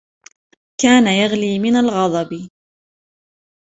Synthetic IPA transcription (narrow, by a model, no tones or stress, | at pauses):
kaːnajaɣliːmɪnalɣɑd̪ˤɑb